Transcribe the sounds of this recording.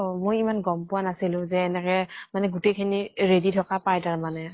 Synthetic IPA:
mojimanɡɔmpʊwanasilʊ̃zɛːnɛkɛmanɛɡutejkʰiniɹeditʰɔkapajtaɹmanɛ

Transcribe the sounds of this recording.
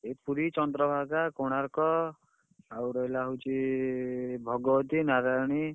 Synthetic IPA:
ɦet̪puɾit͡sʌnd̪ɾʌbʱakakoɽ̃aɾkɔ | sawɾʌjlaɦut͡ʃi | bʱʌɡɔwʌt̪inaɾajɳ̃i

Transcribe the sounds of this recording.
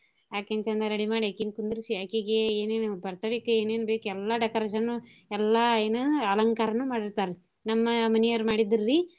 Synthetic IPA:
jaːkent͡ʃɐnd̪ɐɾɐɽimaːɽiaːkinkund̪uɾisiaːkiːɡeeːneːnubɐɾt̪ɐɽikːueːneːnubeːkuɛlːaɖɛkɐɾeːʃɐnːu | ɛlːaeːnuɐlɐŋkaːɾɐnːumaːɽiɾt̪aːɾe | nɐmːɐmɐnijɐɾmaːɽid̪ɐɾːi

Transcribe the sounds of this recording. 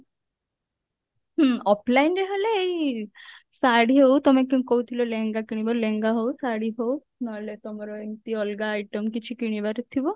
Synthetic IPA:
ɦɔpʰlajnɾeɦeleːi | saɽiɦowt̪omekĩkoɦut̪ʰiloleŋɡakiɽ̃ibaleŋɡaɦowsaɽiɦow | nɔɦelet̪omɔɾɔeŋt̪iɔlɡaːjʈɔmkit͡ʃʰikiɽ̃ibaɾet̪ʰibɔ

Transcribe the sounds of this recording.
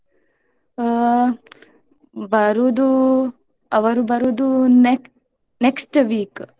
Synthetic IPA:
bɐɾud̪u | ɐʋɐɾubɐɾud̪une | neksʈʋiːk

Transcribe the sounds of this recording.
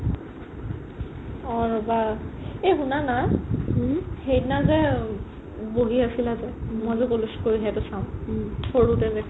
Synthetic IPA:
ɔɹɔbaeɦunana | hejtnazɛ | boɦiasilazɛmojzʊkoluskoɹiɦatʊsãʊ̃tʰoɹutɛzɛ

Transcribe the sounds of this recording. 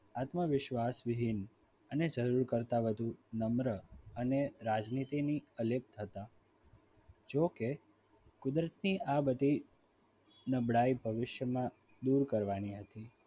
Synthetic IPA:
at̪məʋɪʃʋasʋɪɦɪn | əned͡ʒəɾuɾkəɾt̪aʋəd̪ʱunəmɾəəneɾad͡ʒnit̪iniəlep̚t̪ʰət̪a | d͡ʒoke | kʊd̪ɾət̪niʔabəd̪ʱi | nəbɽaibʱəʋɪʃjəmã | d̪uɾkəɾʋaniɦət̪i

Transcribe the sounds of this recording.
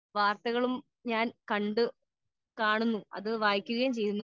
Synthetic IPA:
ʋaːrt̪ɐɣɐɭum | ɲaːnkɐɳɖɨ | kaːɳunːuɐ̰ðɨʋaːjkʲːuɣɐjmt͡ɕe̞jːunːu

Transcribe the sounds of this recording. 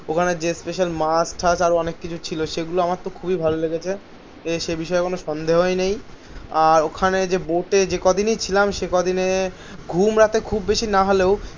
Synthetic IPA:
okʰaned͡ʑespeʃalmasʈʰasaɾoɔnekːit͡ɕʰut͡ɕʰiloʃeɡuloamatt̪okʰubibʱaloleɡet͡ɕʰe | eʃebiʃɔekonoʃɔnd̪eɦoenej | aɾokʰaned͡ʑeboʈed͡ʑekɔd̪inejt͡ɕʰilamʃekɔd̪ʱine | ɡʱumɾat̪ekʰubːeʃinaɦoleo

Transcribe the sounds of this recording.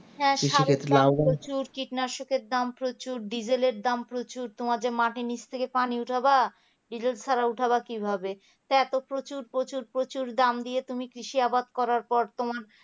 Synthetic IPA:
ɦɛ̃ʃiaokket̪laɾot͡ɕuɾkiʈnaɾʃokʰet̪̚d̪ampɾot͡ɕuɾɖid͡ʑeleɾd̪ampɾot͡ɕuɾt̪omaɾd͡ʑemaʈinit͡ɕʰt̪ʰekepaniuʈʰaba | ɖid͡ʑelsʰaɾauʈʰaβakibʱabe | t̪ɛt̪opɾot͡ɕuɾpɾot͡ɕuɾpɾot͡ɕuɾd̪amd̪ijet̪umikɾiʃiabad̪̚kɔɾaɾpɔɾt̪omaɾ

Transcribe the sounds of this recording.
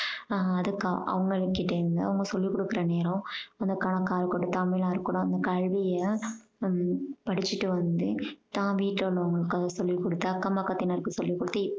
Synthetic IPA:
ɐðɯkːã̰ʔɐ̰ʋɐŋɡɐɭɯkːɪʈːɐɯnɡ̪ɐ̰ɐʋɐŋɡɐsɔlːikɔɽɯkːɪɾɐneːɾɐ̃ɐnd̪ɐkɐɳɐkːaːɾɯkːɔʈːɯt̪ɐmːɪlãːɪɾɯkːɯɽõɐnd̪ɐkɐɻʋijɐ | pɐɽɪt͡ʃːɯʈːɯʋɐnd̪ɯt̪ãːʋiːʈlːlːɐɐŋɡɐɭɯkːɐsɔlːikɔɽɯt̪ːɯɐkːɐmɐkːɐt̪ːɪnɐɾɯkːɯsɔlːikːɔɽɯt̪ːɯ

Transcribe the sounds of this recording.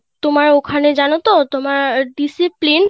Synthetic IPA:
t̪omaɾokʰaned͡ʑanot̪ot̪omaɾɖisiplin

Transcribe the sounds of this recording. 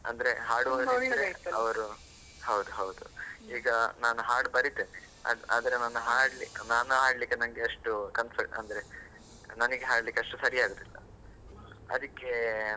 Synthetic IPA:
ɐ̰nd̪ɐɾe̞ɦaːɽuoːd̪ɾiɾeɐʋɐɾu | hɐwd̪uɦɐwd̪uiːɡɐnaːnuɦaːɾɖbɐɾit̪eːne | ɐ̰a̰ːd̪ɐɾenaːnuɦaːɽlinaːnuɦaːɽlikːenɐnɐɡeɐʂʈukɐnsɐʈɐ̰nd̪ɐɾe̞ | nɐnɐɡeɦaːɽlikːeɐʂʈusɐɾijaːɡut̪ilːɐ̰ | ɐ̰d̪ɐkːe̞

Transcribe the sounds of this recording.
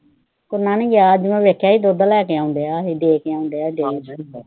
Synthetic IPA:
kʊɾnaːnẽːɡjaːd͡ʒɪmãʋeːkʰːjaːiːd̪oːd̪aːlɛːkeaːʊnd̪eaːiɖeːkeaːʊ̃nd̪eːaːɖeːd͡ʒ

